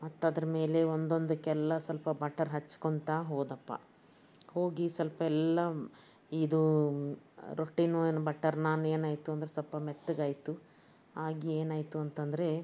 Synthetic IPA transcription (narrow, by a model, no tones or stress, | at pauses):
mɐt̪ːɐd̪ɐɾɐme̞ːle̞ond̪o̞nd̪ukɛlːɐsɐlpɐbɐʈːɐɾɦɐt͡ʃːkont̪aːɦoːd̪ɐpːɐ̰ | hoːɡisɐlpɐɛlːɐ | id̪u | ɾoʈːinuenbɐʈːɐɾnaːneːnaːjt̪uɐnd̪ɾesɐlpɐmet̪ːuɡaːjt̪u | aːɡieːnaːjt̪uɐnt̪ɐnd̪ɾe̞